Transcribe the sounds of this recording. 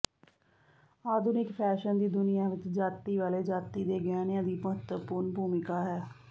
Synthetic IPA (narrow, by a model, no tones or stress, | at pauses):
aːd̪ʱʊnɪkpʰɛːʃənd̪iːd̪ʊnɪjãːʋɪt͡ʃd͡ʒaːt̪iːʋaːleːd͡ʒaːt̪iːd̪eːɡaːnjãːd̪iːməɦət̪wəpuːɾɳbʱuːmɪkaːɦɛː